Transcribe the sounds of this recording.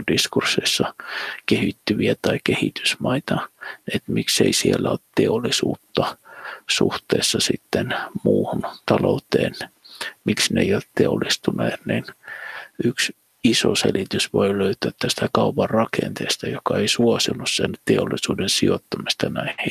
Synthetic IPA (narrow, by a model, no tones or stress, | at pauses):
diskursːeisːɑkehit̪ːyʋiæt̪ɑikehit̪y̥smɑit̪ɑnet̪miksḛisielːæo̰lt̪t̪eolːisṵːt̪ːɑsṵht̪ḛːsːɑsit̪ːenmuːhunt̪ɑlo̰ut̪ḛːnmiksneijoltt̪eolːist̪unɑnin | yks | iso̰selit̪ysʋoiløyt̪yæt̪t̪ːæst̪ækɑupɑrrɑkḛnt̪ḛːst̪ɑjokɑeisuosilːussḛnt̪eolːˑisuːdensiot̪ːɑmist̪ɑnæihi